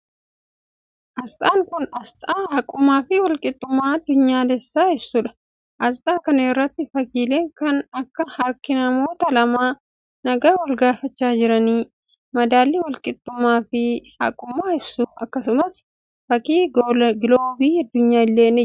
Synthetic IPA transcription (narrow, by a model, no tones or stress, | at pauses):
ʔɐst̪ʼaːŋkʊnɐst̪ʼaːhɐkʼʊmːaːfɪwɐlkʼɪt̪ʼːʊmːaːɐd̪ːʊɲːaːd̪ɛsːaːɪbsʊᶑɐ̥ | ʔɐst̪ʼaːkɐnerːɐt̪ːɪfɐkiːleːŋkɐnɐkːɐhɐɾkɪnɐmo̞ːt̪ɐlɐmaː | nɐɡaːwɐlɡaːfɐt͡ʃːaːd͡ʒɪɾɐniː | mɐd̪aːlːiːwɐlkʼɪt̪ʼːʊmːaːfɪhɐ̰kʼːʊmːaːɪbsʊɐkːɐsʊmɐs | fɐkiːɡɪloːbiːɐd̪ːʊɲːaːɪlːeːnɛ